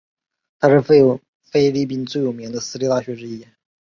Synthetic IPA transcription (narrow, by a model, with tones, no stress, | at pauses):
t̪ʰa˥ʂɻ̩˥˧ | fe˥ɪli˥˧p̬i˥˧nt͡swe˥˩ɪjo˨˩mi˧˥ŋd̪ə˧sɹ̩˥li˥˧t̪a˥˩ɕɥɛ˧˥ʈ͡ʂɻ̩˥˧i˥˩˨n